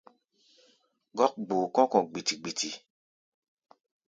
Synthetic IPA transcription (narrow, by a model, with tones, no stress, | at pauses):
ɡɔ˦k̚ɡ͡boː˨kɔ̃˦kɔ̃˨ɡ͡bi˨ti˨ɡ͡bi˨ti˨